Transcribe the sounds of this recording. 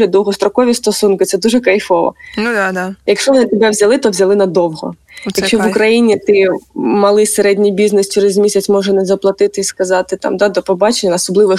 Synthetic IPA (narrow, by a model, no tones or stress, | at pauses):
lʲid̪ɔwɦɔst̪ɾɔkɔʋʲist̪ɔsunkɪt̪sɛd̪uʒɛkɐjfɔʋɔ̰ | jɐkʃt͡ʃɔʋɔnɪt̪ebɛʋzʲɐlˠɪt̪ɔʋzʲɐlˠɪnɐd̪ɔwɦɔ̰ | jɐkʃʃt͡ʃːɔʋʊkɾɐjinʲit̪ɪmɐlˠɪseɾɛdʲnʲijbʲiznɪst͡ʃeɾɪzmʲisʲɐt̪ʲsʲmɔʒɛnɛzɐplˠɐt̪ɪt̪ɪiskɐzɑt̪ɪt̪ɑ̰md̪ɑd̪ɔpɔbɑt͡ʃenʲːɐnɐːsɔblˠɪʋɪ